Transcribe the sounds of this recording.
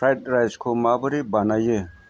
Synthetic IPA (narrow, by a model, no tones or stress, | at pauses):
ajtɾajskʰomaːbɐɾibanaje